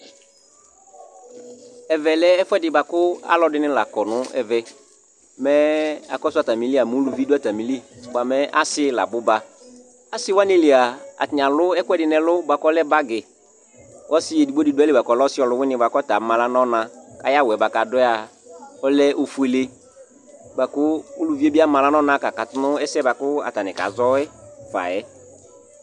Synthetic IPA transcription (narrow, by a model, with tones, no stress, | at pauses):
ɛ˨vɛ˨lɛ˦ɛ˦fʊ˦ɛ˦dɪ˨ba˨kʊ˦a̰˦lɔ˨˦dɪ˦nɪ̃˦la̰˨kɔ˨nʊ̃˦ɛ̰˨vɛ˨ | mɛ˦a̰˨kɔ˦sʊ˦a˨ta˨mĩ˨˦li˦a˨mũ˨˦lu˨vi˦dʊ˦a˨ta˨mĩ˨li˦ba˨mɛ˦ʔa˦sɪ˦la̰˨bʊ˦ba˦ | a˦sɪ˦wa˦nɪ̃˦lɪ˨a˨a̰˨tɲ˨ã˨lʊ˦ɛ˦kʊ˦ɛ˦dɪ˨nɛ̃˨lʊ˦ba˨kɔ˦lɛ˦ba˦ɡɪ˨ | kɔ˦sɪ˦ɛ˨di˨ɡ͡bo˦di˨dʊ˦ɛ˦lɪ˦ba˨kɔ˨lɔ˦sɪ˦ɔ˨lʊ˨˦wɪ˦nɪ̃˦ba˨kɔ˦ta˨˦ma˨la˦nɔ˦nã˨ka˨ja˦wɛ˨ba˨ka˨dɔ˦ɛ˦a˨ɔ˦lɛ˦ʔo˦fu˨˦e˨le˦ | ba˨kʊ˦u˦lu˨vi˦e˦bi˦a˦mã˨la˦nɔ˦nã˦˨ka˨ka˨tʊ˦nʊ˦ɛ˦sɛ˦ba˨kʊ˦a̰˨ta˨nɪ˨ka̰˨˦zɔ˦ɛ˦fa̰˨ɛ˦